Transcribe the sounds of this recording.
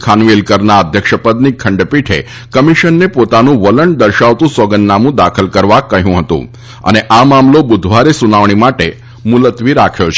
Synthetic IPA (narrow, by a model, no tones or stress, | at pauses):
kʰanʋilkəɾnaəd̪ʱjəkʃəpəd̪nikʰəɳɖpiʈʰḛ | kəmiʃənːepot̪anũʋələɳd̪əɾʃaʋt̪ũsəɡənːamũd̪akʰəlkəɾʋakəɦjũɦət̪ṵ̃ | ə̰neʔamamlobud̪ʱʋaɾesunaʋɳ̃imaʈe | mulət̪ʋiɾakʰjot͡ʃʰ